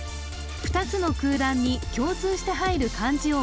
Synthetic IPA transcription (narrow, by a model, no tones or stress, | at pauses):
ɸɯ̟̥t̪at͡sɨno̞kɯ̟ːd̪ãɲ̟ːikʲo̞ːt͡sɨːɕi̥t̪e̞ɦaiɾɯ̟kʰãɲd͡ʑio